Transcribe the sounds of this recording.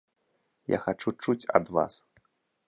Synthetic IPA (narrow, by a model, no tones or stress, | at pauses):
ja̰xat͡ʂut͡ʂut͡sʲɐ̰d̪va̰s